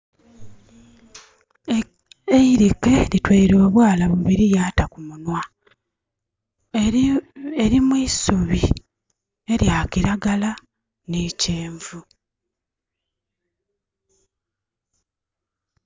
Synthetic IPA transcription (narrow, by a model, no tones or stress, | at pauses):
eiɾike̞litweiɾo̞ːβwaːlaβuβiɾijaːtakumunwa | eɾimwiːsuβi | e̞ɾjaːkiɾaɡala | nice̞ːɱvu